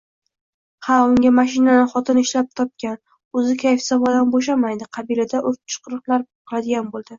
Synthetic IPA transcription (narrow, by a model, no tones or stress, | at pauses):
haʊŋɡʲamaʃ̬ɪnanɪχɒt̪ʰɪnɪʃlap̚t̪ʰɒp̚kʲan | ɵzɪkʲʰajfsavɒd̪anboʃ̬amajd̪ɪqʰɑbilad̪aʔoɾt͡ʃʰɨ̥qɨɾɨqlˠaɾbqʰɨlˠad̪ɪɡʲanbolˠd̪̥ɪ